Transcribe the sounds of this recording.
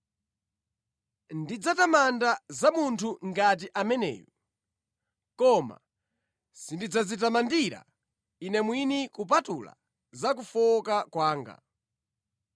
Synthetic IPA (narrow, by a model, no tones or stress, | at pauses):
ndid͡zatamandazamuntʰuŋɡat̬iʔamɛnɛ̰ːjɔ | kɔma̰ | sindid͡zazitamandiɾa̰ | inɛmwinikup̬atula̰ | zak̬ufɔkakwaːŋɡa̰